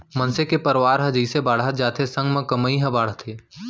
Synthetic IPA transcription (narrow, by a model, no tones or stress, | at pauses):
mənsekepəɾʋaːɾɦəd͡ʒiːsebaːɽət̪̚d͡ʒaːt̪ʰesə̃ŋɡmẽkəməiɦɐ̃baːɽ̤t̪ʰeː